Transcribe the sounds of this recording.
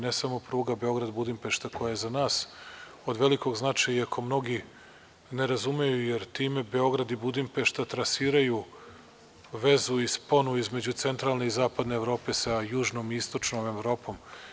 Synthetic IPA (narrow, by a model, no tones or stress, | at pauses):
nesamo̞pɾuːɡabe̞o̞ɡɾad̪bud̪impe̞ʃt̪ako̞jajezanaːs | od̪ʋe̞liko̞ɡznat͡ʃajakʰo̞mno̞ɡi | ne̞ɾazumejujeɾt̪iːme̞be̞o̞ɡɾad̪ibud̪impeʃt̪at̪ɾasiːɾaju | ʋe̞zuispo̞nuizme̞d͡ʑut̪se̞nt̪ɾaːlne̞izaːpad̪ne̞ːvɾo̞ːpe̞sajuːʒno̞ːmiist̪ot͡ʃno̞ːme̞vɾo̞ːpo̞ːm